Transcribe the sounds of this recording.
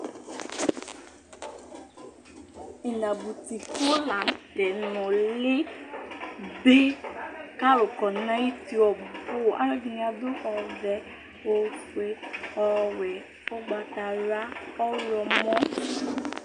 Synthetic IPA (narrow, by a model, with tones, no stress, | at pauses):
i˨la˨bu˨ti˨ko˦la˨n̩˨˦tɛ˨nɔ̃˨le˦ | be˦ka˦ɾo˨kɔ˨nã˦ji˦ti˧ɔ˨bu˨fo˦˨ʔa̰˦ɾa˦ɡi˧nĩ˧˦a˧do˦ʔɔ˧vɛ˧ | o˧fe˧˦ɔ˧wɛ˨ | ɔ˦ɡ͡ba˧ta˧ɾa˦ɔ˦lɔ˧mɔ̃˦